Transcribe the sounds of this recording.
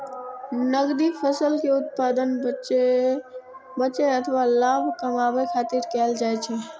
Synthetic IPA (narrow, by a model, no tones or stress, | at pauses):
nəɡd̪ifʰəsəlkeʊt̪̚paːd̪ən | bəːt͡ʃeət̪ʰəʋalaːbʱkəmabəkʰaːt̪iɾkɛːld͡ʒaːjt͡ʃʰe